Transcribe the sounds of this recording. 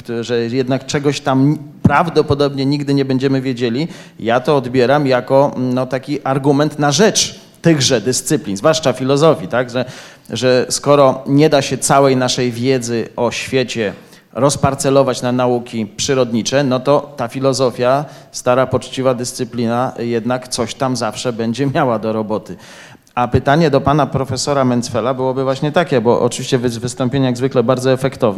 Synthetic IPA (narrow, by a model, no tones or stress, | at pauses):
ʐɛjɛd̪nakt͡ʂɛɡɔɕt̪ampɾavd̪ɔpɔd̪ɔbɲɛɲiɡd̪ɘɲɛbɛɲd͡ʑɛmɘvʲjed͡ʑelʲi | jat̪ɔːd̪bʲjɛɾamjakɔnɔt̪akʲiʔaɾɡumɛnt̪naʐɛt͡ʂ | t̪ɘɣʐɛd̪ɘst̪sɘplʲinzvwaʂt͡ʂafʲilɔzɔfʲit̪aɡʐɛ | ʐɛskɔɾɔɲɛd̪aɕɛt̪sawɛjnaʂɛjvʲjɛd̪zɘɔɕfʲjɛt͡ɕɛ | ɾɔspaɾt̪sɛlɔvat͡ɕnanaukʲipʂɘɾɔd̪ɲit͡ʂɛnɔt̪ɔt̪afʲilɔzɔfʲja | st̪aɾapɔt͡ʂt͡ɕivad̪ɘst̪sɘplʲinajɛd̪nakt̪sɔɕt̪amzafʂɛbɛɲd͡ʑɛmʲjawad̪ɔɾɔbɔt̪ɘ | apɘt̪aɲɛd̪ɔpanapɾɔfɛsɔɾamɛnt̪sfɛlabɘwɔbɘvwaɕɲɛt̪akʲɛbɔʔɔ̰t͡ʂɨviɕt͡ɕɛvvɘst̪ɔmpʲeɲajaɡzvɘklɛbaɾd̪zɔɛfɛkt̪ɔv